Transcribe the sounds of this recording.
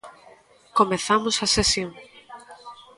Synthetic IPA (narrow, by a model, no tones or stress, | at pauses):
komeθamosɐsesjoŋ